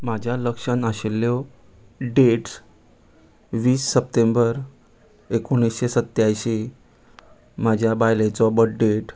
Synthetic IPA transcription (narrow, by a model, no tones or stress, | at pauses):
mad͡ʑʱjaləkʂənaɕelːjɔ | ɖeʈ | ʋiːsːəpt̪embəɾ | ekoɳisɕesət̪jajɕe | mad͡ʑʱjabajlet͡sɔbəʈ̚ɖeʈ